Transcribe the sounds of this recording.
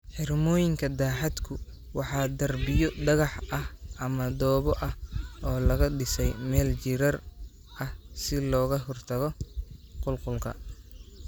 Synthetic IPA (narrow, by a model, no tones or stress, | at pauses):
ħɪrmɔːjɪŋkʰɐd̪aːħɑd̪kʰʊ | wɑħɑːd̪ɐrbɪjɔdɐɣɑħʔɐhʔɐmɐd̪ɔːβɔʔɐhɔːlɐɣɐɖɪsɛjmɛːlt͡ʃɪɾɐr | ɐhsɪlɔːɣɐɦɔrt̪ʰɐɣɔqʊlqʊlkʰɐ̰